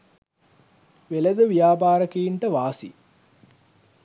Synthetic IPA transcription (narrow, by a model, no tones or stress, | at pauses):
ʋeləd̪əʋijaːpaːɾəkejiɳʈəʋaːsḭ